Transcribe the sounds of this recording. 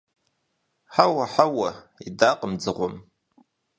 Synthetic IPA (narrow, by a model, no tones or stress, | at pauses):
ħawɐħawɐ | idaːqʼəmd͡zɨʁʷʊm